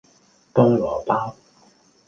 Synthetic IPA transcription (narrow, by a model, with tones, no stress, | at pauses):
t̪ʊ˥ŋlɔː˨˩paː˥w